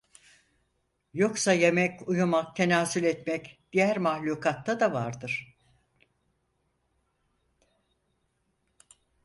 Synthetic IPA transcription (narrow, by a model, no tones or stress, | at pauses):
jo̞ksaje̞mɛcujumak̚t̪ʰe̞naːsylʲɛt̪mɛcd̪̥ijæɾmahlʲuːkʰat̪ːad̪avaɾd̪ɯɾ̥